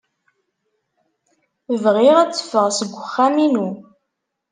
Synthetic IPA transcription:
vʁɪʁæt͡sːə̥fəʁsəɡʷəχːaminu

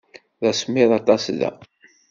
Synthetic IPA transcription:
ðæsmːɪðˤɑt̪ˤɑsðæ̰

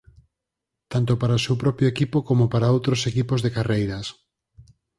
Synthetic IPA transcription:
t̪ant̪opaɾaosewpɾɔpjoekipokomopaɾaowt̪ɾosekipozðekarejɾas

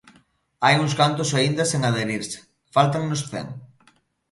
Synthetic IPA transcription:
ajuŋskant̪ʊsaind̪ɐseŋað̞eɾiɾse̥ | falt̪aŋnosθḛŋ

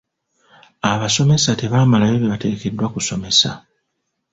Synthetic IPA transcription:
aβaso̞me̞sate̞βaːmalaβeβeβate̞ːke̞dːwakuso̞me̞sa̰

